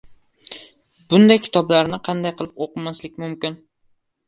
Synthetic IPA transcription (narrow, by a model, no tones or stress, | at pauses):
bʊnd̪ajkʲʰɪ̥t̪ʰɒblaɾnɪqʰɑnd̪ajqʰɨlˠɪpoqɨmaslɪkʲmʊmkʲɪn